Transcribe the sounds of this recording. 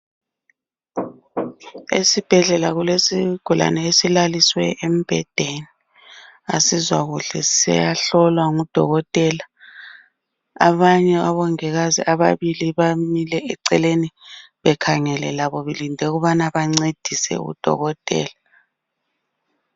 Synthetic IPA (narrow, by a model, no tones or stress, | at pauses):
ḛsib̥ʱɛɮɛlaɣulesiɡ̥ʱula̰nɛesilaliswɛ̰em̩b̥ʱɛd̥ʱeni | a̰sizwaɣuɬɛsɛ̰jaɬɔlwaŋud̥ʱɔɣɔtʼɛla | βaɲɛaβɔŋɛɣazḭʔaβaβiliβamilɛɛǀɛleni | βɛkʰaŋɛlɛlaβoβilindʱɛɣuβanaβaŋ͡ǀed̥ʱisɛ̰ṵd̥ʱɔ̰ɣɔtʼɛ̰ːla